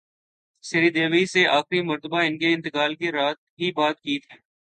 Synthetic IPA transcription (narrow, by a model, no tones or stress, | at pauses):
sɪɾiːd̪eːʋiseʔaːxɾimɐɾt̪əbaɪ̃nkeɪ̃nt̪ɪkaːlkeɾaːt̪̚ɦibaːt̪̚kiːt̪ʰiː